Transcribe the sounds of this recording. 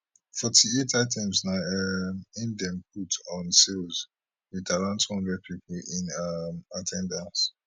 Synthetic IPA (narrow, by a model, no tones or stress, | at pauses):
fɔtʰietʰaɪtʰɛ̃mznaɛmĩndɛ̃mpʰutɔ̃nselz | witaɹãnthɔ̃ndɹɛd̚pʰipʰlĩnamatʰɛ̃ndãns